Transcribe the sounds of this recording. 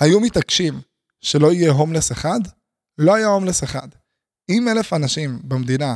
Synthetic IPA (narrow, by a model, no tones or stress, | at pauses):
hajumit̪akʃim | ʃe̞lo̞ijeɦomleseχad̪ | lo̞ajaɦo̞mleseχa̰d̪ | ime̞le̞fanaʃimbemd̪ina